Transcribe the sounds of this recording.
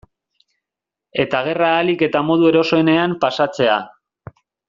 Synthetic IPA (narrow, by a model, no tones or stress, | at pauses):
e̞t̪aɣ̞e̞raːlike̞t̪amo̞ð̞ue̞ɾo̞so̞ene̞ampasat͡se̞a